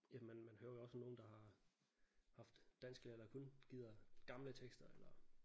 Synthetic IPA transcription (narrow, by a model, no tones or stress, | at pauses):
jæmenmænhøːɐjoɒ̽sno̝ːn̩d̥ɑ̈hɑ̈ | hɑ̈fd̥ːæn̰sɡ̥lelɐkʰɔnɡ̥ið̞̰ˠɐɡ̥ɑ̈mlət͡sʰeɡ̥sd̥ɐelɐ